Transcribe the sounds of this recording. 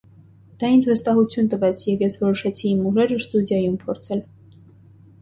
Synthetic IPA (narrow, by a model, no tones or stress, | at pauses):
d̪̥ɑind͡zvəst̪ɑɦut͡sʰjunt̪əvɛt͡sʰjɛvjɛsvɔɾɔʃɑt͡sʰiːmuʒɛɾəst̪ud̪jɑjumpʰɔɾt͡sʰɛl